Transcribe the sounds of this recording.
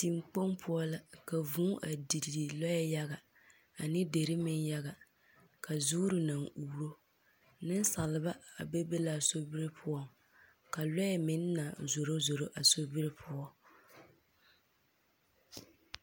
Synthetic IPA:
ti˨mk͡po˦mpʰʊ˦ɔ˦la˦ka˨vũ˦ʔa˨di˨ddi˨lɔ˦jɛ˦ja˦ɣa˨ | a˨nɪ˦de˨ɾɪ˦mɪ˦nja˦ɣa˨ | ka˨zuː˦ɾɪ˨na˨ŋuː˨ɾo˦ | nɨ˦n˦sa˨lɪ˨ba˦a̰˨bɛ˦be˦la˦˨so˦bɪ˦ɾɪ˦pʰʊ˦ɔ˦ŋ | ka˨lɔ˦jɛ˨mɪ˨˦n˦na˨zo˨ɾo˦zo˨ɾo˦ʔa˨so˦bɪ˦ɾɪ˦pʰʊ˦ɔ˦

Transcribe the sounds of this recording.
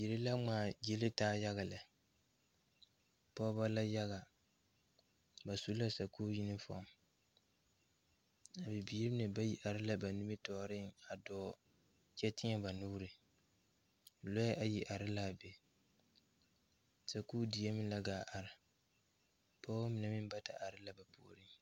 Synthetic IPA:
ji˨ɾɪ˦la˦ŋ͡maː˨d͡ʒe˦lɪ˦taː˦ja˦ɣa˨la˨ | pɔ˦ba˦la˦ja˦ɣa˨ | ba˨su˦la˦sa˨kuː˦ji˦nɪ˦fɔ̰˦˨˦m | a˨bɪ˨biː˦ɾɪ˦nɪ˨ba˦ji˨ʔa˨ɾɪ˦la˨ba˨ni˦mɪ˦tɔː˨ɾɪ˦ŋa˨dɔː˨˦˨ | t͡ʃɛ˦tɪ˦ɲɛ˦ba˨nuː˦ɾɪ˨ | lɔ˦ʔa˨ji˨ʔa˨ɾɪ˦la˦˨be˨ | sa˨kuː˦di˨je˦mɪ˦la˦ɡaː˨ʔa˨ɾɪ˨ | pɔː˦a˦mɪ˨nɛ˨mɪ˦n˦ba˦ta̰˨ʔa˨ɾɪ˦la˨ba˨pu˦o˨ɾɪ˦ŋ

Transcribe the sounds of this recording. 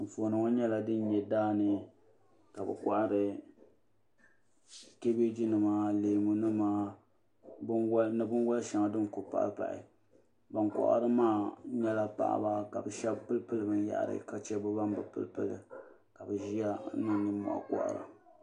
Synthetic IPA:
ɱ̩˨fo˨nɨ˨ŋɔ˦ɲɛ˦la˦dɨ˦n˦ɲɛ˨daː˦nɨ˨ | ka˨bɛ̰˨ka˦ʔa˨ɾɨ˨ | ke˦be˦d͡ʒi˦nɨ˨maː˦leː˨mu˨nɨ˦maː˦ | bnɨ˦bɨ˦nwɔ˦lʃa˨˦ŋa˨dɨ˦nko˨pa̰˨ʔpa̰˨ʔɪ̰˨ | ba˨nkɔ̰˨ʔa̰˦˨ɾɨ˦maː˦˨˦ɲɛ˦la˦pa̰˨ʔa̰˨ba˦ka̰˨bɛ˨ʃɛ˦bpɨ˦lpɨ˦lɨ˨bɨ˦n˦ja̰˨ʔa̰˨ɾɨ̰˦ka˦t͡ʃɛ˦bɨ˦ba˦m˦bɨ˨pɨ̰˦lpɨ˦lɨ̰˨ | ka˨bɨ˨ʒi˦a˦nɨ˦ni˦mɔ̰˨ʔa̰˨kɔ̰˦˨ʔa̰˨ɾɨ̰˨

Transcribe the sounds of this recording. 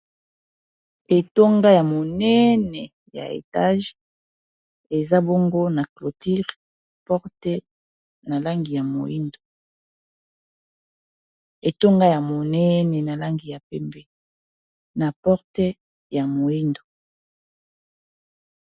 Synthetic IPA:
e˨to˦ŋɡa˦ja˨mo˨nɛ˦nɛ˨ | ja̰˨ḛ˨ta˦ʒ | e˨za˦bo˦ŋɡo˦na˨klo˨ti˦ʁ | pɔ˦ʁte˦ | na˨la˦ŋɡi˨ja˨mo̰˨i˦ndo˨ | e˨to˦ŋɡa˦ja˨mo˨nɛ˦nɛ˨na˨la˦ŋɡi˨ja˨pɛ˦mbɛ˦ | na˨pɔ˦ʁte˦ | ja˨mo˨i˦ndo˨

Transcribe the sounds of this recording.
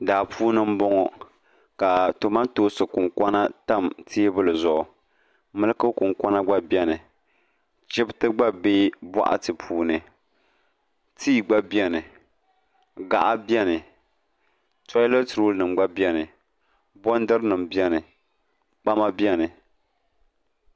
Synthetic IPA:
daː˨pʰuː˦nɨ˦m̩˦bɔ˦ŋɔ˦ | ka˨to˨ma˦ntoː˦sɨ˨kʊ˨ŋkʷa˦na˦ta˦mti˦bɨ˦lɨ˨zʊ˨ʔʊ˨ | mɨ˦lɨ˦kɨ˦kʊ˨ŋka˦na˦ɡ͡ba˦bjɛ˦nɨ˨ | t͡ʃɪ˦btɨ˦ɡ͡ba˦beː˦ba̰˦ʔa̰˦tɨ˨pʰuː˦nɨ˨ | tʰiː˦ɡ͡ba˦bi˦ɛ˦nɨ˨ | ɡa̰˨ʔa˦bjɛ˦nɨ˨ | tɔ˦lo˦tɾo˦nɨ˨m˨ɡ͡ba˦bi˦ɛ˦nɨ˨ | bɔ˦n˦dɨ˦ɾnɨ˨mbi˦ɛ˦nɨ˨ | k͡pa˦ma˦bi˦ɛ˦nɨ˨

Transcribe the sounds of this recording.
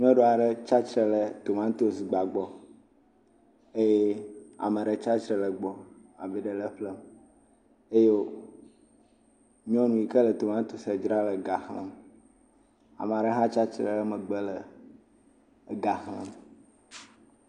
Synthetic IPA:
ɲĩ˦ɔ̃˦ɖo˦a˨ɖə˦t͡ʃa˦t͡ʃɾə˨lə˨t̪o˨mã˦t̪o˨sɡ͡ba˨ɡ͡bɔ˨ | e˦je˦a̰˨mə˨ɖə˨t͡ʃa˦t͡ʃɾə˨lə˨ɡ͡bɔ˨a̰˨vi˨ɖə˨lə˦ɸlə˦m | e˦je˦o˦ | ɲ̃˦ɔ̃˦nũ˨i˨kə˦lə˨t̪o˨mã˦t̪o˨sə˨d͡ʒɾa˦lə˨ɡa˨xə̰̃˦m | a̰˨me˨a˨ɖə˦ɦã˦t͡ʃa˦t͡ʃɾə̰˨lə˦mə˨ɡ͡bə˦lə˨ | ɡa˨xə̰̃˦m

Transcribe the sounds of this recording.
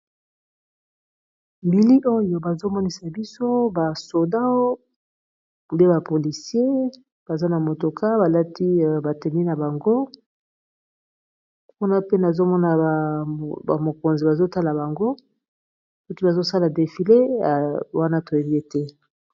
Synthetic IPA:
mbi˨li˦ʔo˦jo˨ba˨zo˦mɔ˦ni˦sa˨bi˦so˦ba˨so˨da˦ | u˨le˦ba˨po˨li˨si˦e˦ | b̥a˨za˦na˨mo˨to˨kʰa˦ba˨la˦ti˦˨ba˨te˨mi˦na˨ba˨ŋɡo˦ | ku˦na˦pe˦na˨zo˦mɔ˦na˨ | a˨mo˨ko˨nzi˨ba˨zo˦ta˦la˨ba˨ŋɡo˦ | so˦ki˦ba˨zo˦sa˦la˨de˨fi˨le˦a˨wa˦na˦to˨e˨bi˦e˨tɛ˦

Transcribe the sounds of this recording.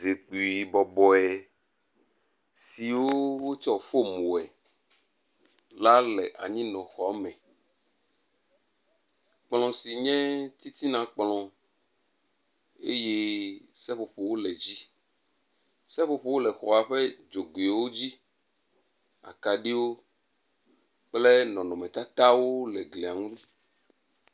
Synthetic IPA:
ze˨k͡pi˨i˨bɔ˨bɔ˨ɛ˨ | si˨wo˦wo˦t͡ʃɔ˦fo˦mũ˨ɛ˨ | la˦lɛ˨ʔa̰˨ɲĩ˦nɔ̃˨xɔ˨a˦mɛ̃˨ | k͡plɔ̃˨si˨ɲɛ̃˦t̪i˦t̪i˦nã˨k͡plɔ̃˨ | e˦je˦sɛ˦ɸo˨ɸo˨wo˦lɛ˨d͡ʑi˦ | sɛ˦ɸo˦ɸo˦wo˦lɛ˨xɔ˨a˨ɸɛ˦d͡ʒo˨ɡe˨wo˦d͡ʑi˦ | a̰˨ka˨ɖi˦wo˦ | k͡ple˦nɔ̃˨nɔ̃˨mɛ̃˨t̪a˦t̪a˦wo˦lɛ˨ɡli˨a˨ŋũ˦ɖi˦

